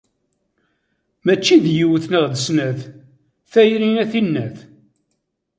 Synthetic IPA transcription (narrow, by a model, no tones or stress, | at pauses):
mæt͡ʃːiðjiwθnəʁðəsnæθ | θæjɾinæθinːæθ